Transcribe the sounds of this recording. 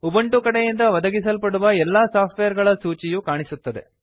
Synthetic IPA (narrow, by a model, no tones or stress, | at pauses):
ubɐɳʈukɐɽejind̪ɐʋɐd̪ɐɡis̬ɐlpɐɽuʋɐɛlːaːsaːpʰʈʋejɐɾɡɐɭɐsuːt͡ʃijukaːɳisut̪ːɐd̪e̞̰